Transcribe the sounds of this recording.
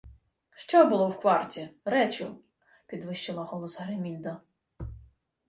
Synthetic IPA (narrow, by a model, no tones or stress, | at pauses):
ʃt͡ʃɔbʊlˠɔwkʋɑrtʲiɾɛt͡ʃʊ | pʲid̪ʋɪʃt͡ʃɪlˠɐɦɔlˠɔsɦɾemʲilʲd̪ɐ